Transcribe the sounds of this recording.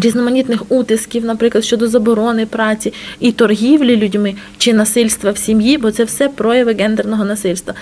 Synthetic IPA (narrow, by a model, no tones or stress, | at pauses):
ɾʲiznɔmɐnʲit̪nɪxut̪ɪskʲiwnɐpɾɪklˠɐd̪ʃʲt͡ʃɔd̪ɔzɐbɔɾɔnɪpɾɑt͡sʲiit̪ɔrɦʲiwlʲilʲʊdʲmɪ | t͡ʃɪnɐsɪlʲst̪ʋɐwsʲimjibɔt̪sɛwsɛpɾɔjɐʋɪɡɛnd̪ɛrnɔɦɔnɐsɪlʲst̪ʋɐ